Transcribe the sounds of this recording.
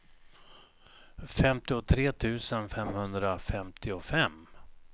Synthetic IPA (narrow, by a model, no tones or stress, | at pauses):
fɛmt̪ɪɔt̪ʰɾeːt̪ʰʉ̟ːsənfɛmhɵnd̪ɾafɛmt̪ʰɪɔfɛmː